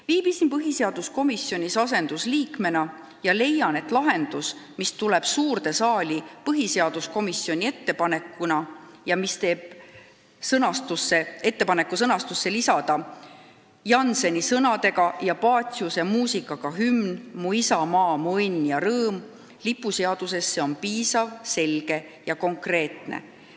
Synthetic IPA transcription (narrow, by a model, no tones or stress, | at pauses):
viːb̥isinpɤɦise̞ɑd̪̥usko̞misːjo̞nʲisɑs̬e̞nd̪̥usliːkme̞nɑ | jɑle̞jɑne̞t̪ˑlɑɦe̞nd̪̥usmist̪uleb̥suːrd̪̥e̞sɑːlʲipɤɦise̞ɑd̪̥usko̞misjo̞nʲie̞t̪ːe̞pɑne̞kːunɑ | jɑmist̪e̞ːb̥̚ | sɤnɑst̪usːe̞e̞t̪ːe̞pɑne̞kːˑusɤnɑst̪usːe̞lisɑd̪̥ɑ | jɑnse̞nʲisɤnɑd̪e̞ɡɑjɑpɑːt̪ʲusɑmuːsikːˑɑɡ̥ɑɦymnmuisɑmɑːmuɤnːjɑɾɤːm | lipːˑuse̞ɑd̪̥use̞sːe̞o̞npiːsɑvse̞lɡ̥e̞jɑko̞ŋkre̞ːt̪nḛ